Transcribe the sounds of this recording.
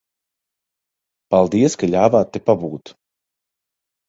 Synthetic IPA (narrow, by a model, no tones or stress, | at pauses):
palˠd̪iɛskaʎʲaːvaːt̪ːepabuːt̪